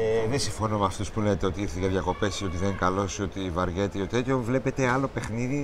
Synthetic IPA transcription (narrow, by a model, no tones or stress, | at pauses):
eðesĩɱfo̞no̞meɐft̪uspulenet̪eo̞t̪iiɾθeʝeðʝɐko̞pe̞sio̞t̪iðekɐlo̞so̞t̪ivɐɾʝet̪eiot̪e̞t̪çovle̞pe̞t̪e̞ɐlo̞pe̞xniði